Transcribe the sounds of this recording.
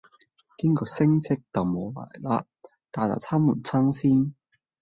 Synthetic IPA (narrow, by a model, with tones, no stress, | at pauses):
ki˥ŋkɔː˧sɪ˥ŋt͡sʰɪ˥k̚tɐ˨˩wmo˨˧la̰ː˨˩jlaː˧˥ | t̪aː˨˩t̪a̰˨˩t͡sʰaː˥muː˨˩nt͡sʰɐ˥ŋsiː˥n